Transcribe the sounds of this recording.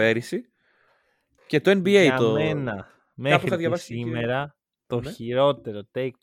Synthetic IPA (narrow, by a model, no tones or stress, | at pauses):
eɾisi | ce̞t̪oenbiejɐomenɐ | me̞xɾiɐðʝɐvɐsime̞ɾɐ | t̪o̞çiɾo̞t̪e̞ɾo̞t̪ek̪̚